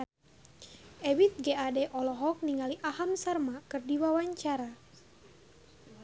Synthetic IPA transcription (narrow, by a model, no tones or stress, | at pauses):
ɛwit̪̚ɡeadɛʔɔlɔɦɔk̚niŋaliʔaɦamsarmakɨrdiwawaɲt͡ʃaɾa